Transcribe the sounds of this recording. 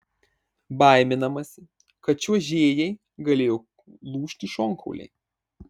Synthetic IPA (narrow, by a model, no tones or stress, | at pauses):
bɐˑɪmʲɪnɐmɐsʲɪ | kɐt̪t͡ʃʲuɔʒʲeːjɛɪ | ɡɐlʲeːjo | lˠuːʃʲt̪ʲiʃoːŋkɐ̰ʊlʲɛ̰ɪ